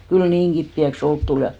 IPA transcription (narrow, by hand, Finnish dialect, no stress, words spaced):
kyl niːŋ ɡ̊ipːiæks olk tul jɑ